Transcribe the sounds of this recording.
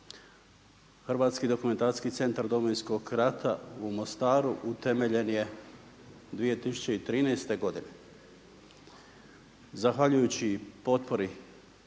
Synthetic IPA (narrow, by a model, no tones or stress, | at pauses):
xrʋaːt̪skid̪o̞kume̞nt̪aɾi̥skit̪se̞nt̪aɾd̪ominsko̞ɡɾat̪ʰaumo̞st̪aːɾuʔut̪e̞me̞ʎe̞nje̞ | d̪ʋije̞t̪isu̥t͡ɕeit̪ɾiːnɛːst̪e̞ɡo̞d̪ine | zaxʋaʎujut͡ɕipo̞t̪po̞ɾi